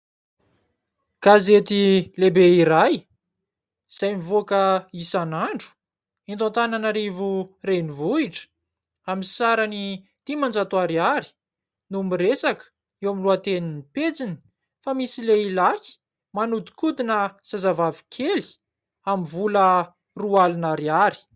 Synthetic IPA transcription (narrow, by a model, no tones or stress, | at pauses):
ɡ̥azet̪ilebeiɾaj | z̥ajmivokəisanaɳɖ͡ʐu̥ | int̪ãnt̪ananaɾivurenivuiʈ͡ʂə̥ | aminsaɾani | t̪imand͡zat̪uaɾiaɾi̥ | numiɾesakə̥ | ewamiluat̪eninipet͡sini̥ | famisileilaki̥ | manud̪i̥kud̪inəsazavavi̥kʰeli̥ | amivulə | rualinaɾiaɾi̥